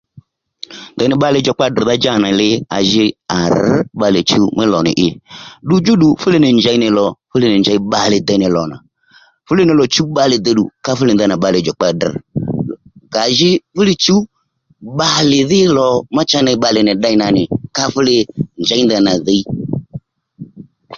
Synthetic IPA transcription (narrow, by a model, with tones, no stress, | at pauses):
ndɔ˧nɪ˨ɓa˧lɪ˧˨d͡ʒɔ˨k͡pa˧dr̩˨ða˦d͡ʒa˦˨na˨lɪ˧a̰˨ʒɪ˧a˨ɾ̩˨˦ɓa˧lɪ˨t͡ʃu˦mɪ˦lɔ˨nɪ̰˨ʔɪ˧ɗu˦d͡ʒu˦ɗu˧fʊ˦lɪ˧nɪ˨nd͡ʒa˧i˦nɪ˨lɔ˨fʊ˦lɪ˧nɪ˨nd͡ʒa˨i˦ɓa˨lɪ˨d̪a˧˦nɪ˨lɔ˨na̰˨ | fʊ˦lɪ˧˦nɪ˨lɔ˨t͡ʃu˦ɓa˧lɪ˨d̪ə˧ɗṵ˨ka˧fʊ˦lɪ˧nda˧na˨ɓa˧lɪ˨d͡ʒɔ˨k͡pa˧d̩˨ | ɡa˨ʒɪ˦fʊ˦lɪ˧t͡ʃu˦ | ɓa˧lɪ˨ðɪ˦lɔ˨ma˦t͡ʃa˦na˧ɓa˧lɪ˨nɪ˨ɗa˧i˦na˨nɪ˨ka˧˦fʊ˦lɪ˧nd͡ʒa˨˦i˦nda˧na˨ðe˧i˦